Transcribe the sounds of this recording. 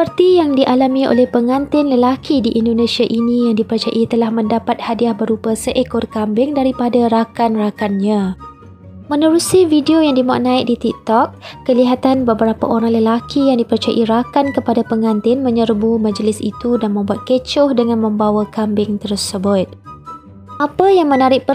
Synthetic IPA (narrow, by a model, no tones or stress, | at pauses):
səpərt̪ijaŋdiʔalamĩo̰lɛhpəŋãnt̪ɪnləlakidiʔːndonẽsiaʔinĩjaŋdipərt͡ʃa̰ʔit̪əlahmə̃ndapat̪̚hadiahbəɾupasəʔekɔrkambɪŋdaɾipadaɾakanrakanɲã | mə̃nəɾusividiojaŋdimaa̰ʔ̚nãɪk̚dit̪ik̚t̪ɔk̚ːəliɦat̪anbəbəɾapa̰ʔoɾaŋləlakijaŋdipərt͡ʃaja̰ʔiɾakankəpadapəŋãnt̪ɪnmə̃ɲərbumãd͡ʒəlɪsḭt̪udanmə̃mbuat̪̚kət͡ʃʊhdəŋãnmə̃mbawakambɪŋt̪ərsəbʊt̪̚ | ʔapajaŋmə̃naɾɪʔ̚pə